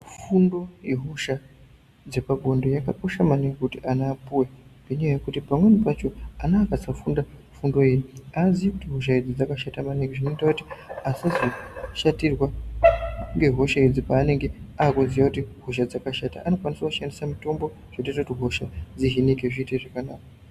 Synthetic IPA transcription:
fundo̞jeɦuʃa | d͡ze̞paɡʱo̞ndo̞jakako̞ʃamaneŋɡekutiʔanaːpuwebaɲaajekutipamwenipat͡ʃo̞anaːkasafunda | fundo̞jeniazijkutiɦuʃ̬aid͡zid͡zakaʃatamaneŋɡeʐino̞itakutiasazoʃatirwa | ŋɡe̞ɦo̞ʃaid͡zipaːneŋɡeaːkonzijakutiɦuʃ̬ad͡zakaʃata̰ano̞kwaniswakuʃandisamito̞mbo̞ | ʐ̥etetakutiɦo̞ʃad͡ziɦinikeʐiteʐekanaːka

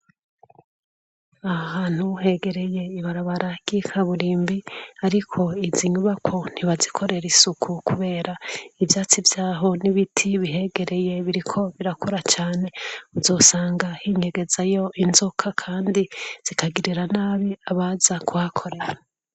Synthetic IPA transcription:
ahaːn̥huɦe̞ɡe̞ɾe̞je̞iβaɾaβaɾaɡ̥ikʰaβuɾiːmbiaɾikʰo̞iziɲuβakʰo̞n̥iβazikʰo̞ɾe̞ɾisukʰukuβe̞ːɾaivjaːt͡sivjaːɦo̞niβitʰiβiɦe̞ɡe̞ɾe̞je̞βiɾikʰo̞βiɾakʰoɾat͡ʃaːne̞uzo̞ːsaːŋɡahiɲe̞ɡe̞zajo̞ʔinzokʰakʰaːndiz̥ikʰaɡiɾiɾanaːβiaβazakʰuhakʰo̞ɾe̞ɾa

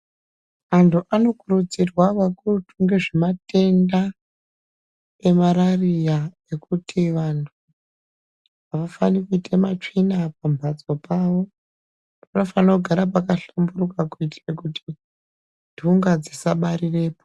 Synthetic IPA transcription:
mantʰuʔano̞kurud͡zirwaʋakurutuŋɡe̞ʐe̞mate̞nda | e̞maɾarija | e̞kutʰiʋantʰu | aʋafanikuitʰemat͡ʂinapambʱad͡zo̞paːʋo̞ | pano̞fanouɡʱaɾapakaɬambuɾukakuitirekuti̥ | dʱuŋɡad͡zisaɓaɾire̞ːpo

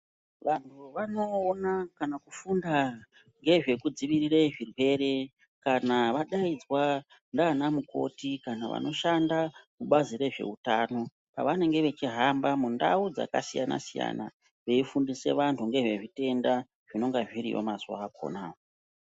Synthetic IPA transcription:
ʋantʰuʋano̞ːnakanakufunda | ŋɡe̞ʐe̞kud͡ziʋirireʐirwe̞re̞ | kanaʋaɗaid͡zwa | ndaːnamuko̞̰tikanaʋa̰no̞ʃandakuɓaziɾe̞ʐe̞̰utaːno̞ | pa̰ʋane̞ŋɡe̞ʋe̞t͡ʃiɦambamunda̰ud͡za̰ka̰sijana̰sija̰na̰ | ʋe̞ifundise̞̰ʋantʰuŋɡe̞ʐe̞ʐite̞nda | ʐ̥ino̞ŋɡaʐiɾijo̞̰mazwaːko̞̰naːo

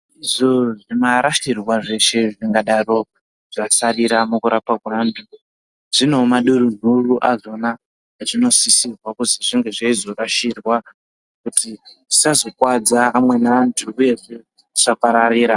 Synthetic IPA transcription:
iʐoʐimaɾaʃirwaʐe̞ʃe̞ʐiŋɡaɗaro̞ | ʐasariɾamukuɾapakwantʰu | ʐ̥ino̞maɗuɾun̤uruʔazo̞na | aʐino̞sisirwakuziʐiŋɡe̞ʐaizo̞raʃirwa | kutisazo̞kwad͡zaːmwe̞naːntʰuːje̞ʐe̞ | ʐ̥apaɾaɾiːɾa

